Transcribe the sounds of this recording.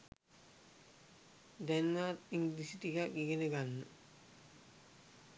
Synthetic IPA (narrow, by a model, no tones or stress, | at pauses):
d̪ɛnʋat̪iŋlisiʈiɡaʔɡiɡeneɡanːə